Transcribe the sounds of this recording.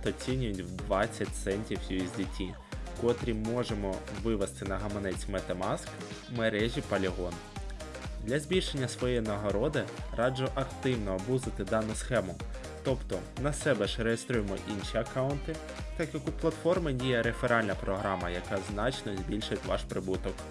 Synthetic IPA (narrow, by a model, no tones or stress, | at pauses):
t̪ɔt͡sʲinʲʊjʊtʲwd̪ʋɑt͡sʲːɐt̪ʲsɛnʲtʲiwsʲujizʲdʲitʲːi | kɔt̪ɾʲimɔʒemɔʋɪʋɛst̪ɪnɐɦɐmɔnɛt͡sʲmet̪emɑsk | meɾɛʒʲipɐlʲiɦɔn | d̪lʲɐzʲbʲilʲʃe̞nʲːɐsʋɔjɛnɐɦɔɾɔd̪ɪrɑd͡ʒʊʔɐkt̪ɪwnɔːbuzɪt̪ɪd̪ɑnʊsxɛmʊ | t̪ɔpt̪ɔnɐsɛbɛʃɾejest̪ɾujemɔ̰ʔinʃiɐkɑwʊnt̪ɪ | t̪ɑkjɐkuplˠɐt̪fɔrmɪdʲijɛɾefeɾɑlʲnɐpɾɔɦɾɑmɐjɐkɑznɑt͡ʃnɔzʲbʲilʲʃʊtʲʋɑ̰ʃpɾɪbut̪ɔk